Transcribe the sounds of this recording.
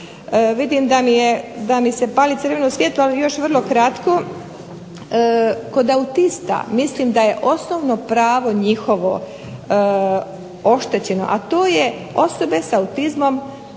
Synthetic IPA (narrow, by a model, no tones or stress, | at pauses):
ʋid̪imd̪amijed̪amise̞paːlit̪əɾʋenousʋjeːt̪lualijo̞ʃʋr̩lˠo̞kɾat̪ko̞ | ko̞d̪aut̪ist̪a̰mislimd̪aje̞ʔo̞snoʋno̞pɾaːʋo̞ɲixo̞ʋo̞̰ | o̞ʃt̪e̞t͡ɕeno̞̰ʔat̪oːje | o̞so̞be̞saut̪izmo̞m